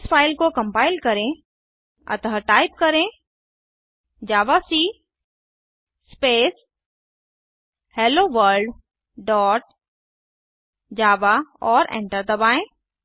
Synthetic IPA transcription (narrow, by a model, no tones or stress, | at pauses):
sfaːɪlkokɐ̃mpaːɪlkɐɾẽ | ɐ̰t̪əɦəʈaːɪp̚kɐɾẽ | d͡ʒaːʋasiː | speːs | heːloːʋəɾɖ | ɖɔːʈ̚ | d͡ʒaːʋaɔːɾɛ̰̃ːɳʈəɾd̪ɐbaːẽː